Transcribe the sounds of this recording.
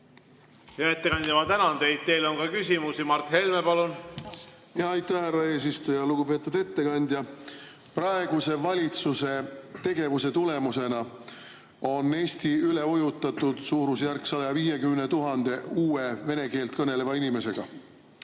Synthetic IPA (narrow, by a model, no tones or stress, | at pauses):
jɑet̪ːekɑnd̪jɑmɑt̪ænɑnd̪̥e̞jd̪̥̚t̪e̞jlonkɑkysʲimusimɑrt̪he̞lmepɑlun | jɑːjt̪ːæhhærːɑe̞ːs̬ist̪ujɑluɡ̥upe̞ːt̪ːˑud̪e̞t̪ːe̞kɑnʲd̪̥ʲjɑ | prɑe̞ɡ̥use̞vɑlʲit̪suse̞t̪e̞ɡe̞vuse̞t̪ule̞muse̞nɑ | o̞nːe̞ːsʲt̪iyle̞ojut̪ːˑɑt̪ˑːud̪̥suːɾusjærksɑd̪ɑɑviːje̞kymne̞t̪uɦɑnd̪̥e̞uːeve̞ne̞ke̞ːlt̪kɤne̞le̞vɑinʲime̞se̞ɡ̥ɑ̰